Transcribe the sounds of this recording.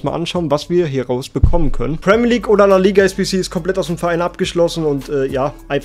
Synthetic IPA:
sma̰ːlʔanʃaʊənvasv̥iːɐɦɛɐʁaʊsb̥əkʰɔmənkʰœ̰nənpʁ̥ɛmiːɐliːkʔoːdɐnaliːɡaɛsb̥isiːɪstkʰɔmplɛtaʊsd̥eːmfɛɐʁʔaɪnʔap̚ɡ̥əʃlɔsn̩ʊntʰʔɛːjaːʔaɪnf

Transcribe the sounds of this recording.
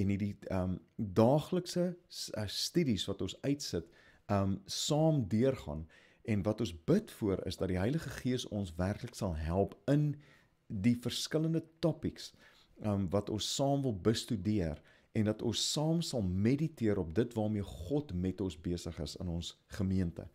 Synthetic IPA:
ɛnɦidiəmdɑːχləksəəstydisvɐtɔnsœɥtsət | əmsɑːmdiərχɑ̰n | ɛnvɐtɔ̃nsbətfuəɾə̰sdɐt̚diɦəjləχəχiəsɔ̰nsværkləksɐlˠɦælˠpən | difərskələndətɔpiks | ʔəmvɐtɔnsːɑːmvəlˠbəstydiər | ɛndɐtɔnsːɑːmsɐlˠmeditiəɾɔp̚dətvɑːrmiəχɔtmɛtɔnsbiəsəχəsə̰nɔnsχəmiəntə̰

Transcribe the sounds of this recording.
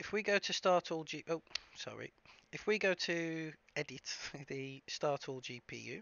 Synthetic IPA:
ɪfwiɡoʊtʰəstɑˑtʰɔːlˠd͡ʒiːʔoʊsɒ̰ɹḭɪfwiɡoʊtʰə | ɛdɪtðəstɑˑtʰɔːlˠd͡ʒiːpʰḭːjʉ̰ː

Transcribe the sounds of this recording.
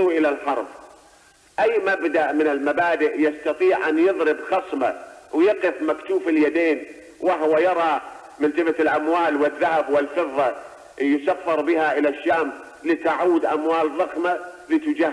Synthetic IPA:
ʔɪlalħɑɾˤb | ʔajːmabd̪aʔmɪnɪlmabaːd̪ɪʔjɪst̪ɑt̪ˤiːʕʔanjɨðˤɾɪbxɑsˤma̰wjɑqɪfmakt̪uːfɪljad̪eːn | waɦwajɑɾˤɑ | mɪnt̪ɪbalʔamwaːlwɪðːahabwɪlfɨðˤːɑ | jsafːɑɾˤbɪhaʔɪlaʃːaːm | lɪt̪aʕuːd̪ʔamwaːlðˤɑxmalit̪ʊd͡ʒa

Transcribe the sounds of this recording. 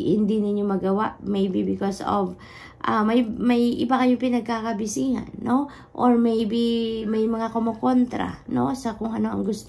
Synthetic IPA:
hɪ̰nd̪inɪɲjomɐɡɐwaʔmejbibɪkoso̰v | ʔamɐjmɐjʔɪbakɐjopɪnɐɡ̚kakɐbɪsiha̰nːo | ʔoɹmejbimajmɐŋakomoko̞nt̪ɾa̰nosɐkʊŋɐnoʔɐ̰ŋɡʊst̪

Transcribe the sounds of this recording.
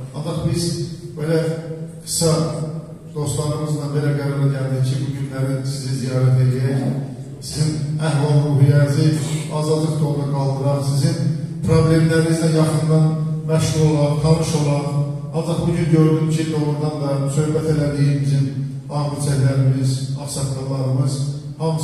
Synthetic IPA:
ɑnd͡ʒɑχbizbelæɡɯ̥sɑ | d̪̥o̞st̪lˠɑɾɯmɯzd̪ɑbe̞læɡæɾɑɾɑɟæld̪icʰibuɟynlæɾinsizizijɑːɾæt̪ʰe̞liæɾæç | sizinæhvɑlˠmuːɦijæɾziɑːzɑd̪lˠɯqt̪ʰoɾˠd̪ɑɡɑlˠd̪ɯɾɑχsizinpʰɾoble̞mlæɾinizd̪æjɑχɯnd̪ɑn | mæʃhuɾˠolˠɑɾt̪ʰɑnɯʃo̞lˠɑɾ | ɑnd͡ʒɑχbuɟynɟøɾd̪ymcʰid̪olˠuɾd̪ɑnd̪ɑsø̞hbæt̪ʰe̞læd̪ijimizin | ɑːmit͡ʃʰæçlæɾimizɑfsɑt̪k̪ɑlˠɑɾɯmɯz̥ | hɑm

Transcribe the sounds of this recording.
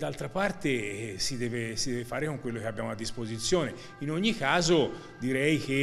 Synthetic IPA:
d̪ːalt̪ɾapart̪esid̪ɛːvesid̪ɛːvefaːɾekoŋkwelːokeabːjaːmoad̪ːispozit̪sːjoːne | inoɲːikaːzo | d̪iɾɛjke

